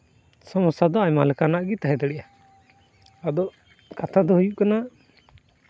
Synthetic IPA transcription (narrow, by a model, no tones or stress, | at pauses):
sɔmɔsad̪ɔaɲmalɛkanaʔɡit̪aɦɛd̪ɛɽɛʔja | ad̪ɔ | kat̪ʰad̪ɔɦujuʔkana